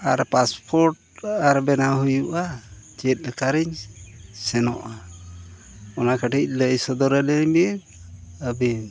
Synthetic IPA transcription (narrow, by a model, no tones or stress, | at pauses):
aɾpaspʰɔɾʈ̚ | aɾbɛnaɦujuʔa | t͡ʃɛt̪̚lɛkaɾiɲsɛnɔʔa | ɔnakaʈic̚ˀləjsɔd̪ɔɾɛlɛɲbi | əbin